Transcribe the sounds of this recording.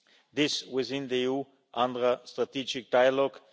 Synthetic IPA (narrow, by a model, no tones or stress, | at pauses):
ðɪswɪθɪ̃nðəiu | ʔãndɹəstɾat̪id͡ʒɪk̚d̥aɪəlɔɡ